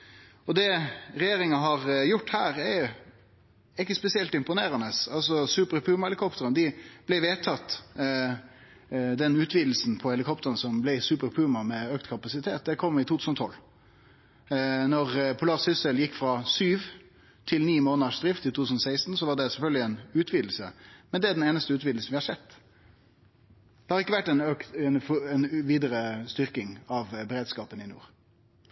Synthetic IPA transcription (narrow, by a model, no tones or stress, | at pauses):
ɔd̪ɛɾɛjeːɾɪŋɑɦɑʁjʊʈːhæːɾɛ | ɪkːəspɛsɪɛlt̪ɪmpʊneːɾɑnəsɑ̰lsɔsʉːpəɾɛpʰʉːmɑɛlɪkʰɔpt̪əɾənd̪ɪb̥lɛɪʋeːt̪ʰɑt̪ː | d̪ɛnʉːt̪ʰʋiːd̪l̩sn̩pʰɔhɛlɪkʰɔpt̪əɾənsɔmblɛɪsʉːpəɾpʰʉmɑmɛøːkt̪kʰɑpɑsɪt̪ʰeːt̪̚d̪ɛkʰɔmːɪt̪uːʉsnɔt̪ʰɔ̰lː | nɔʁpʰʊlɑːʁsʏsəljɪkːfɾɑsyːʋ | t̪ʰɪlniːmoːnəʂd̪ɾɪft̪ɪt̪ʰuːt̪ʉːsnɔsæɪst̪n̩sɔʋɑɖɛsɛlfœlɡəlɪɛnʉːt̪ʰʋiːd̪l̩səmɛnd̪ɛæɖɛneːnəst̪əʉːt̪ʋiːd̪l̩sn̩ʋɪhɑɾʂsɛt̪ː | d̪ɛhɑɾʁɪkːəʋæʈːɛnøk̪ɛnfɛnʋiːd̪əɾəst̪ʏʁkɪŋɑʋbɛɾeːd̪skɑːpənɪnṵːʁ